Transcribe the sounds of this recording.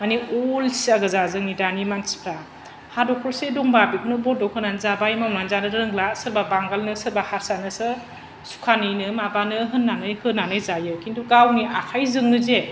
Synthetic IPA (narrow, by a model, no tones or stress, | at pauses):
maniolsiaɡɯzazɯŋnidanimansi̥pʰɾa | hadɔkʰɔlsedɔŋbabikʰɯnɯbɔdɔkʰɯnanzabajmawnanzanɯɾɾɯŋlasɯɾbabaŋɡalnɯsɯɾbahaɾsanɯsɯ | su̥kʰanɯjnɯmabanɯɦɯnːanɯjhɯnːanɯjzajɯkinduɡawniʔakʰajzɯŋnɯze